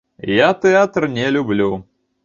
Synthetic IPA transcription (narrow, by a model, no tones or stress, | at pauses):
jat̪ɛat̪rnʲɛlʲublʲu